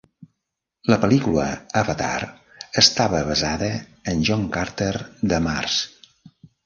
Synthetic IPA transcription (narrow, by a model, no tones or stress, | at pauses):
ləpəlikulə̰əβət̪a̰r | əst̪aβəβəzaðəːnʲʒɔŋkaɾt̪eɾd̪əmars